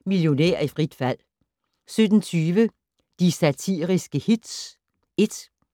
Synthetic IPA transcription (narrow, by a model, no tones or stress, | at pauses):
miljo̝næ̰ɐ̰ifʁid̥fæl̰ | sød̥n̩t͡sʰyːʋə | d̥isæt͡sʰḭːʁisɡ̥əhid̥s | e̝d̥